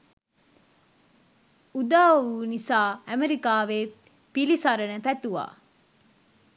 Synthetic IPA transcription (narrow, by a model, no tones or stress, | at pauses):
ud̪aːuːnisaːæmeɾikaːʋe | pilisɐɾɐnəfæt̪uʋa̰ː